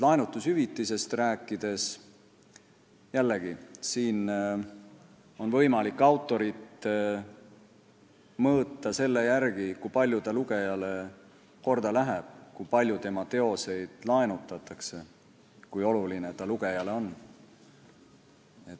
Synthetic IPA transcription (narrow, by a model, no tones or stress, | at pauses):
lɑenut̪ːˑushyvit̪ːˑise̞st̪ræːkːˑid̪̥e̞s | jælːeɡ̥isiːn | o̞nvɤ̞jmɑlikːˑɑwt̪ːˑo̞ɾit̪ | mɤːt̪ˑːɑse̞lːe̞jærɡikujpɑlʲjut̪ɑluɡ̥e̞jɑle | ko̞rd̪̥ɑlæɦeb̥̚kujpɑlʲjut̪e̞mɑt̪e̞o̞se̞jd̪̥lɑenut̪ːˑɑt̪ːˑɑkse̞ | kujo̞lulinet̪ɑluɡ̥e̞jɑle̞o̞nː | et̪ː